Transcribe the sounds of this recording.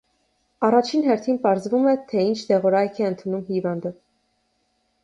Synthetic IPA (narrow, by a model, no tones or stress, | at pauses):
ɑrɑt͡ʃʰinɦɛɾt̪ʰinpɑɾzvumɛt̪ʰɛint͡ʃʰd̪ɛʁɔɾɑjkʰɛənt̪ʰunumhivɑnd̪ə